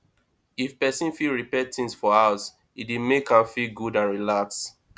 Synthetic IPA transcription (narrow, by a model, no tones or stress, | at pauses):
ifpɛsĩnfilɹipɛtĩŋsfɔhaʊs | idimekhaʊfiɡudãnɹilaks